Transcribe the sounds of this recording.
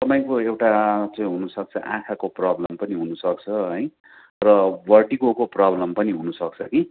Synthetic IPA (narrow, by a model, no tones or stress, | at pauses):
t̪ʌpaĩkoewʈat͡sʌĩɦunusʌk̚t͡sʰʌ̰ʔã̰kʰakoprablʌmpʌniɦunusʌkt͡sʰʌɦʌj̃ | rʌbʌrɖikokoprablʌmpʌniɦunusʌk̚t͡sʰʌki